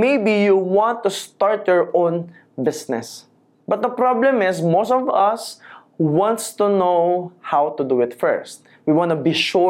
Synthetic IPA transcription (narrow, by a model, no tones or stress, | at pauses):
mejbijuwɑ̃nt̪ːust̪aɹt̪jɔɹʔõn | bɪsnɛ̰s | bɐt̪̚d̪ɐpɹablɛ̃mɪsmostɔvʌs | wɑ̃nt̪st̪unohawt̪ʊd̪uɪt̪fɛ̰ɹst̪̚ | wiwãnʊbiʃu